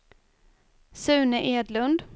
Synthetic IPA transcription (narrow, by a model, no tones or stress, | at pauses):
sʉ̟ːnəʔeːd̪lɵnd̪